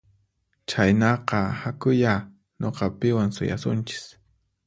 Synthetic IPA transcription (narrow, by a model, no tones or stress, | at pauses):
t͡ʃajnɑqɑhakʊja | ɲoqɑpɪwaŋsʊ̰ja̰sʊnt͡ʃɪ̥s